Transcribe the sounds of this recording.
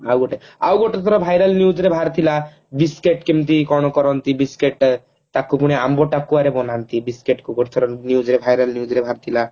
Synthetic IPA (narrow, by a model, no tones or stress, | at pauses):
awɡoʈea̰wɡoʈet̪ʰɔɾɔbʱajɾalnjud͡ʒɾebʱaɾt̪ʰila | biskeʈkimt̪ikɔɽ̃ɔkɔɾɔnt̪ibiskeʈ | t̪akupuɽ̃iambɔʈakuaɾebɔnant̪ibiskeʈkuɡoʈet̪ʰɔɾɔnjud͡ʒɾebʱajɾalnijud͡ʒɾebʱaɾt̪ʰila